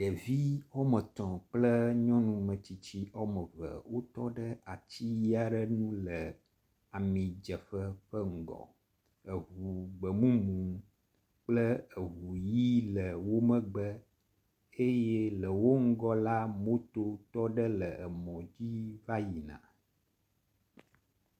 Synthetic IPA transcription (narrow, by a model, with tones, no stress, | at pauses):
ɖə˨vi˦wɔ˦mə̃˨t̪ɔ̃˨k͡plə˦ɲɔ̃˦nũ˨mə̃˨t͡ɕi˦t͡ɕi˦ʔɔ˦mə˨və̰˨wo˦t̪ɔ˦ɖə˦a˨t͡ɕi˦ji˦a˨ɖə˦nũ˦lə˨ | a˨mĩ˨d͡ʒə˨ɸə˦ɸə˦ŋ̩˦˨ɡɔ̰˨ | ə˨ɦu˨ɡ͡bə˨mũ˦mũ˨ | k͡plə˦ə˨ɦu˨ji˦lə˨wo˦mə̃˦ɡ͡bə˦ | e˦jɛ˦lə˨wo˦ŋ̩˦ɡɔ˦la˦mo˦t̪o˦t̪ɔ˦ɖə˦lə˨ə˨mɔ̃˨d͡ʑi˦va˦ji˨nã̰˨